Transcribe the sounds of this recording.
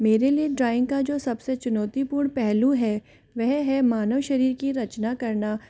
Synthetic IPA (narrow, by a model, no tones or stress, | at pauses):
meːɾelieɖɾaːɪ̃ŋɡkad͡ʒoːsɐbset͡ʃʊnɔːt̪ipʊɾɳ̃pɛɦluɦɛː | ʋɛɦɦɛmaːnəʋʃɐɾiːɾkiɾɐt͡ʃnakɐɾna